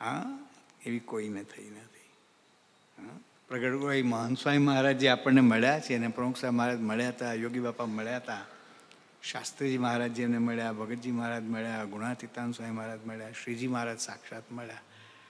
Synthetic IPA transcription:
ɦã | eʋiːkoinet̪ʰəinat̪ʰəi | ɦã | pɾəɡəʈɡoaiməɦənsʋaɦiməɦaɾad͡ʑiapəɳːeməɭjat͡ʃʰenẽpɾəmuksaiməɦaɾad͡ʒməɭjat̪ajoɡibapaməɭjat̪a | ʃɕast̪ɾid͡ʑiːməɦaɾad͡ʑemneməɭjabʱəɡət̪̚d͡ʑiːməɦaɾad͡ʑməɭjaɡuɽ̃at̪it̪ansʋaɦiməɦaɾad͡ʑməɭjaɕɾid͡ʑiːməɦaɾad͡ʒsakʂat̪məɭja

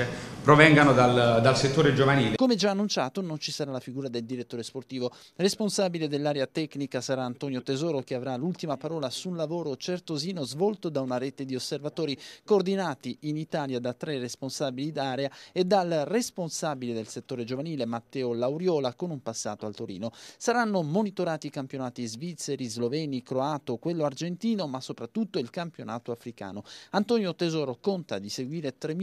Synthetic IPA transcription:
epɾovɛŋɡanod̪ald̪alset̪ːoːɾed͡ʒovaniːlekomed͡ʒaːnːunt͡ʃaːt̪onont͡ʃisaɾalafiɡuːɾad̪eld̪iɾet̪ːoːɾesport̪iːvo | responsaːbiled̪elːaːɾeat̪ɛknikasaɾaːnt̪ɔːnjot̪ezɔːɾok̟eavɾalult̪imapaɾɔːlasunlavoːɾot͡ʃert̪oziːnozvɔlt̪od̪aunaɾet̪ed̪iosːervat̪oːɾikoːrd̪inaːt̪iinit̪aːljad̪at̪ɾeresponsabilid̪aːɾeaed̪alresponsabiled̪elset̪ːoːɾed͡ʒovaniːlemat̪ːɛːolawɾjɔːlakonumpasːa̰ːt̪oalt̪oɾḭːnosaɾanːomonit̪oɾaːt̪ikampjonaːt̪izvit̪sːeɾizlovɛːnikɾoaːt̪okwelːoard͡ʒent̪iːnomasopɾat̪ːut̪ːoilkampjonaːt̪oafɾika̰ːnoant̪ɔnjot̪ezɔːɾokont̪ad̪iseɡwiːɾet̪ɾe

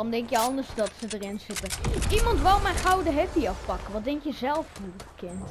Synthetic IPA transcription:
omdɛŋkjəɑndəɹsdɑtsədərɪnzɪtəimɑntʋɛlˠmɛjnχawdəɦɛtiɑfpɑkəʋɑtdɛŋkjəzɛlˠfnukɪn

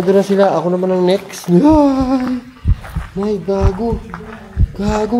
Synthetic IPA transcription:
d̪onɐsɪlaʔɐko̞nɐmanɐŋnɛksn | j | majbaːɡo | b̥aːɡo

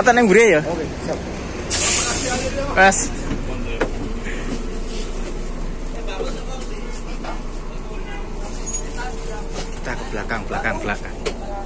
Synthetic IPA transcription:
at̪anɛŋwuɾeja | kas | ut̪akəb̥lakaŋb̥əlakaŋb̥əlakaŋ

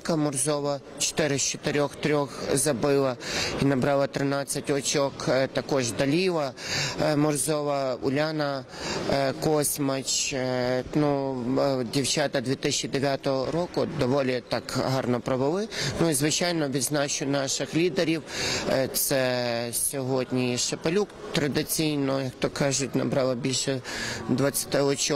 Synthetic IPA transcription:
kɐmɔrzɔʋɐ | t͡ʃɔ̥t̪ɪɾɪst͡ʃɔ̥t̪ɪɾʲɔxt̪ɾʲɔxzɐbɪlˠɐinɐbɾɑlˠɐt̪ɾɪnɑt͡sʲːɐtʲɔt͡ʃɔkt̪ɐkɔʒd̪ɐlʲiʋɐ | mɔrzɔʋɐʊ̰lʲanɐ | kɔsʲmɐt͡ʃ | nu | dʲiwt͡ʃat̪ɐd̪ʋʲit̪ɪsʲɛt͡ʃːid̪eʋʲjat̪ɔɦɔɾɔkʊd̪ɔʋɔlʲit̪ɑkɦɑrnɔpɾɔʋɪlˠɪnuizʋɪt͡ʃajnɔʋʲid̪znɑt͡ʃʊnɑʃɪxlʲid̪eɾʲiwt̪sɛsʲɔɦɔdʲnʲiʃepɐlʲukt̪ɾɐd̪ɪt͡sʲijnɔjɐkt̪ɔkɑʒʊtʲnɐ̰bɾɑlˠɐbʲilʲʃɛd̪ʋɐt͡sʲːɐ̥t̪ɪɔt͡ʃɔ

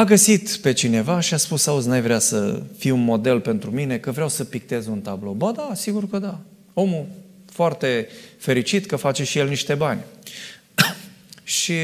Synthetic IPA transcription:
aɡəsit̪pe̞t͡ʃine̞vaʃiaspusauznajvɾeasə̰fiunmo̞d̪e̞lpe̞nt̪ɾumine̞kəvɾeawsəpik̚t̪e̞zunt̪ablo̞bəd̪asiɡurkəd̪a | o̞mu | foart̪e̞fe̞ɾit͡ʃit̪kəfat͡ʃe̞ʃije̞lniʃt̪e̞banʲ | ʃi

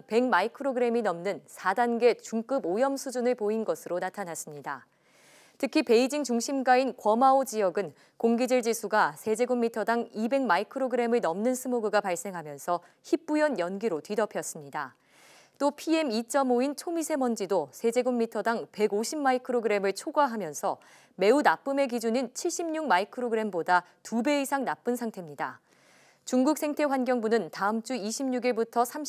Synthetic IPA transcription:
pe̞ŋmaikʰɯɾoɡɯɾe̞minʌmnɯnsʰadanɡe̞t͡ɕuŋk͈ɯbojʌmsʰud͡ʑunɯɭpoinɡʌsʰɯɾonatʰanas͈ɯmɲida | tʰɯkʰipe̞id͡ʑiŋt͡ɕuŋɕʰimɡainkwʌmaod͡ʑijʌɡɯn | koŋɡid͡ʑɯɭd͡ʑisʰuɡasʰe̞d͡ʑe̞ɡumːitʰʌdaŋibe̞ŋmaikʰɯɾoɡɯɾe̞mɯɭnʌmnɯnsʰɯmoɡɯɡapaɭs͈e̞ŋɦamjʌnsʰʌ | çip̚p͈ujʌnjʌnɡiɾotɥidʌpʰjʌs͈ɯmɲida | t͈opʰie̞mit͡ɕ͈ʌmoint͡ɕʰomisʰe̞mʌnd͡ʑidosʰe̞d͡ʑe̞ɡomːitʰʌdaŋpe̞ɡoɕʰimmːaikʰɯɾoɡɯɾe̞mɯɭt͡ɕʰoɡwaɦamjʌnsʰʌ | me̞unap͈ɯme̞ɡid͡ʑunint͡ɕʰiɭɕ͈imɲuŋmaikʰɯɾoɡɯɾe̞mboda | tube̞isʰaŋnap͈ɯnsʰaŋtʰe̞mɲida | t͡ɕuŋɡuk̚s͈ʰe̞ŋtʰe̞ɸwanɡjʌŋbunɯntaɯmt͡ɕ͈uiɕʰimɲuɡiɭbutʰʌsʰam

